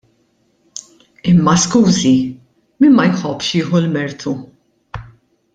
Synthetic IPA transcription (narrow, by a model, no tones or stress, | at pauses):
ɪmːɐskuːzi | miːnmɐjħɔpːʃjɪːħulmɛɾt̪ʰu